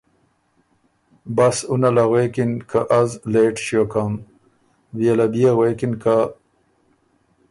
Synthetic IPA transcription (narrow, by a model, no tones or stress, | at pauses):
basunalaɣwekinkʰaʔazleːʈʃjokam | vijalad̪ijaɣwekinka